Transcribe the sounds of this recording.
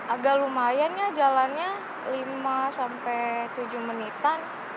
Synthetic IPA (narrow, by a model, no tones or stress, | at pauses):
ʔaɡalumajanɲad͡ʒalanɲa | limasampɛjt̪ud͡ʒuhmənit̪an